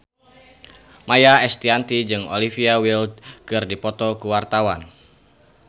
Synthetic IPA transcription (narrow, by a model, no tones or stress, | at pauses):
majaɛst̪iant̪id͡ʒɨŋo̰lifiawildkɨrdipɔt̪ɔkuwart̪awan